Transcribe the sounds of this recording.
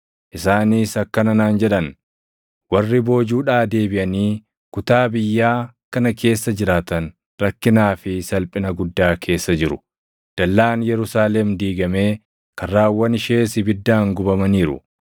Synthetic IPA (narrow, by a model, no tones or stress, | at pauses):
ʔɪsaːniːsɐkːɐnɐnaːnd͡ʒɛᶑɐn | wɐrːɪbo̞ːd͡ʒuːᶑaːd̪e̞ːbɪʔɐniː | kʊt̪aːbɪjːaːkɐnɐkʰe̞ːsːɐd͡ʒɪɾaːt̪ɐn | ɾɐkːɪnaːfɪsɐlpʼɪnɐɡʊd̪ːaːkʰe̞ːsːɐd͡ʒɪɾʊ | d̪̥ɐlːaːnjɛɾʊsaːlɛmd̪iːɡɐme̞ː | kɐrːaːwːɐnɪʃeːsɪbɪd̪ːaːŋɡʊbɐmɐniːɾʊ̰